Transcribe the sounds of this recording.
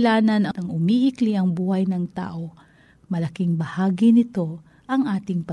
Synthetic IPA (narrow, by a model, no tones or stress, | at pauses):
laːnɐnɐɐŋʔʊmiʔɪkliʔɐŋbuːhɐjnɐŋt̪a̰ːʔo̞ | mɐlɐkɪŋbɐhaːɡinɪt̪o̞ | ʔɐŋʔaːt̪ɪŋpɐ